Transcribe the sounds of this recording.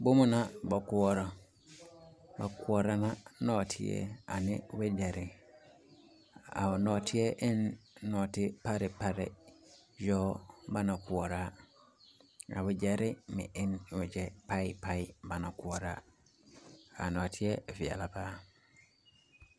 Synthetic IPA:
bʊ˦mʊ̃˨nã˦bɔ˨kʊ˦ɔ˦ɾɔ˦ | ba˨kʰʊ˦ɔ˨ɾa˦nã˦nɔː˨tʰɪ̰˦ɛ̰˦a̰˨nɪ̰̃˦wɛ˦d͡ʒɛ˨ɾɪ˨ | a̰˨ɔ˨nɔ˨tʰɪ˦ɛ˦ʔɪ˦nːɔː˨tɪ˦pa˦ɾɪ˨pa˦ɾɪ̰˨ | jɔː˦ba˦nã˨kʊ˨ɔ˨ɾa˦ | a̰˨wɛ˨d͡ʒɛ˨ɾɪ˦mɪ̰̃˨ʔɪ˦n˨wɛ˨d͡ʒɛ˦pa˦ɪ˦pʰa˦ɪ˦ba˨nã˨kʊ˨ɔ˨ɾa̰˦ | a̰˨nɔ˨tʰɪ˦ɛ˦˨vɪ˨a̰˨la˨paː˦

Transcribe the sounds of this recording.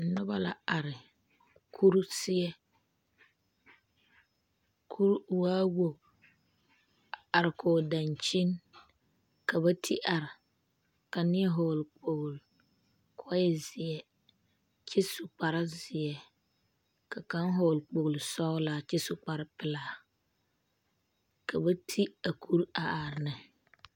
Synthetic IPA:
nʊ˦ba˦la˨a˨ɾɪ˨ | kʰu˦ɾsɪ˦ɛ˦ | kʰu˦ɾwaː˦wo˨ | a˨ɾɪ˨koː˨da˨nt͡ʃi˦n | ka˨βa˦tʰi˦ʔa˨ɾɪ˨ | ka˨nɪ˦ɛ˦ɦoː˨lk͡po˨ɣl | kʰɔ˦jɛ˦˨zɪ˨ɛ˨ | t͡ʃɪ˦sʊ˨k͡pa˨ɾa˦zɪ˨ɛ˨ | ka˨ka˦ŋɦo˨lk͡po˨ɣʊ˨lsɔ˦laː˨t͡ʃɪ˦su˨k͡pa˨ɾa˦pɪ˦laː˦ | ka˨ba˦tʰi˦a˨kʰu˦ɾa˨ʔaː˨ɾɪ˨nɨ˨

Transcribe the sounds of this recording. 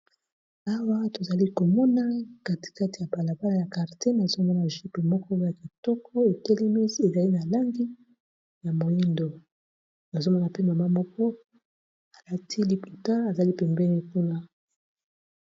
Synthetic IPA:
a˦wa˦to˨za˨li˦ko˨mɔ˦na˦ka˦ti̥˨ka˦ti˨ja˨ba˨la˨ba˦la˦˨ja˨ka˨ʁte˦na˨zo˦mɔ˦na˨ʒi˦pe˨mɔ˦kɔ˦ja˨ki˨tɔ˦kʰɔ˦e˨ke˦le˦mi˦ze˨za˨li˦na˨la˦ŋɡi˦ | ja˨mo˨li˦ndo˨ | na˨zo˦mɔ˦na˨pe˦ma˨ma˦mɔ˦kɔ˦ | a˨la˦tʰi˦li˦pu˨ta˦a˨za˨li˦pɛ˨mbɛ˦ni˦ku˦na˦

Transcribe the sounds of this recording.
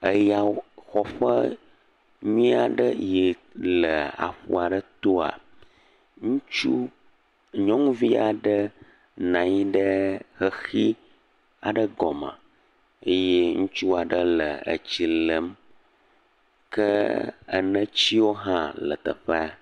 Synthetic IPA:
ə˦ja˨xɔ˨ɸə˦ | ɲuĩ˦a˨ɖə˦je˨lə˨a̰˨ɸṵ˨a˨ɖə˦t̪o˦a̰˨ | ŋũ˦t͡ʃu˦ | ɲɔ̃˦ŋũ˦vi˦a˨ɖə˦ | nã˨ɲi˦ɖə˦xə˨xi˦ | a̰˨ɖə˦ɡɔ˨mã̰˨ | ə˦je˦ŋũ˦t͡ʃu˦a˨ɖə˦lə˨ə̰˨t͡ɕi˨lə˨˦m | kə˦ə̰˨nə̃˦t͡ɕi˦wo˦ɦã˦lə̰˨t̪ə̰˨ɸə˦a˨

